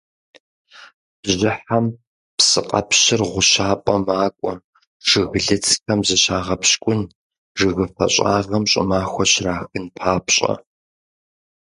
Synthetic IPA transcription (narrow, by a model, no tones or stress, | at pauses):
b̥ʑɪħam | psɨqʼɐ̰pɕɪrʁʷʊʃaːpʼɐmaːkʷʼɔ | ʒ̥ɨɣɨɮɨt͡sʰʼxʰɐmzɨɕaːʁɐpɕkʷʼʊn | ʐɨɣɨfɐ̰ɕʼa̰ːʁɐmɕʼɪ̰maːxʷɔɕraːxɨnpʰaːpɕʼɐ̰